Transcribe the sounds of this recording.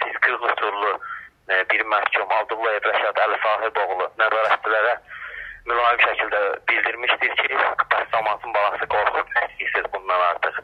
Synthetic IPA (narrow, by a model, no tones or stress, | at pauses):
sizɡɯʁlˠusʰuɾlˠu | biɾmæhcʰumɑlˠd̪uɾlˠɑebɾæʃɑt̪ælisɑːɦiɾboʁlˠunæzɑːɾæt̪t͡ʃilæɾæmylɑːimʃæcʰild̪æbild̪iɾmiʃt̪iɾcʰib̥æszɑmɑːt̪ʰɯnbɑlˠɑsɯɡo̞ɾχub̪ist̪isizbunːɑnɑɾt̪ʰɯχ